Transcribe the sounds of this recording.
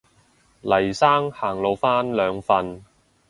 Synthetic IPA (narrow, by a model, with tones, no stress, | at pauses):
lɐ˨˩jsaː˥ŋhaː˨˩ŋlo˨˧wfaː˥nlœː˨˧ŋfɐ˧n